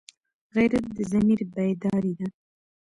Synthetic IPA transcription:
ɣajɾat̪̚d̪əzamiɾbajd̪ɑɾid̪a

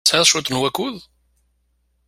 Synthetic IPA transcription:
sæðˤʃut̪nwækuð

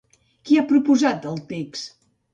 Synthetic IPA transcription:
kiapɾupuzat̪̚d̪əlˠt̪eks

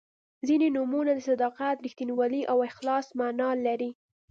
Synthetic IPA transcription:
zinenumunad̪əsad̪ɑqat̪ɾixt̪iniwɑliʔawɪxlɑsmanɑlaɾi

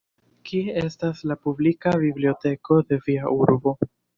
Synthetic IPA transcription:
kiee̞staslapublikabiblio̞te̞ko̞de̞viaʔuɾbo̞

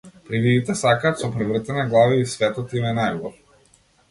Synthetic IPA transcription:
pɾivid̪it̪ɛsakaːt̪sɔpɾɛvr̩t̪ɛnaɡlˠaviːsvɛt̪ɔt̪imɛnajɡlˠɔɾ

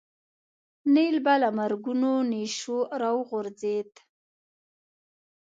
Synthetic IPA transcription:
nelbalamaɾɡunoneʃoɾawɣʊɾzet̪

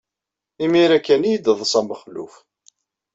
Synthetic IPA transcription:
imiɾækːænijəd̪əðˤsˤæməχlṵf

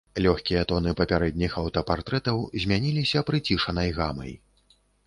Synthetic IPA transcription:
lʲɔxkʲijɐt̪ɔnɨpɐpʲaɾɛd̪̚ʲnʲixɐwt̪ɐpart̪ɾɛt̪ɐwzʲmʲanʲilʲisʲɐpɾɨt͡sʲiʂɐnɐjɣamɐ̰j

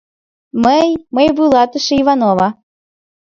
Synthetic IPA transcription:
məjməjβulˠɑt̪əʃeivɑnovɑ

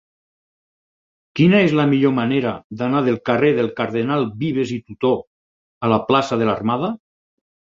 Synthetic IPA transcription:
kinaezlamiʎomaneɾad̪anað̞elˠkareðelˠkaɾð̞enalˠbiβ̞ezit̪ut̪o | alaplasaðelarmað̞a

